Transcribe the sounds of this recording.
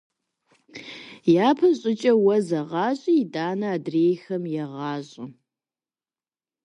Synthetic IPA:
jaːpʰɐɕʼɪt͡ʃʼɐwɐzɐʁɑːɕʼijidaːnɐːdreːjxɐmjɛʁɑːɕʼɪ

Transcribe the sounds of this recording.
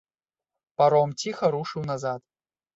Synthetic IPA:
paɾɔmt͡sʲixɐɾuʂɨwnɐzat̪

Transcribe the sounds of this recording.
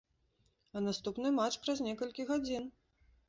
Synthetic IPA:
ɐnast̪upnɨmat͡ʂpɾɐzʲnʲɛkɐlʲkʲiɣad͡zʲin

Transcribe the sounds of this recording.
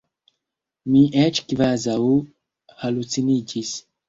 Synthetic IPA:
miʔɛt͡ʃkivazau | halut͡sinid͡ʒis

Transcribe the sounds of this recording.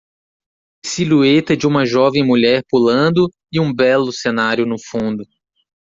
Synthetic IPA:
siluet̪ɐd͡ʒɪũmɐʒɔvẽj̃muʎɛɾpulɐ̃d̪ʊ | ɪũbɛlʊsenaɾjʊnʊfũnd̪ʊ

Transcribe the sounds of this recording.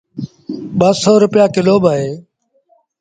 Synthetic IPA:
ɓəsɔːɾʊpɪjaːkɪloːɓaːɦeː

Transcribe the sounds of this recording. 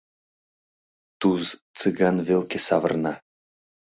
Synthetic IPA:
t̪uzt͡sɨɡɑnvelkʲesɑvə̰̆rnɑ

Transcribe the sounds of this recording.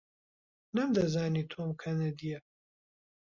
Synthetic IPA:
nɐmd̪ɐzaːniːt̪ʰoːmkʰɐnɛd̪ijɛ

